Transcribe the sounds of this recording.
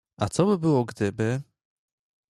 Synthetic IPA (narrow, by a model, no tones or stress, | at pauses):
at̪sɔbɘbɘwɔɡd̪ɘbɪ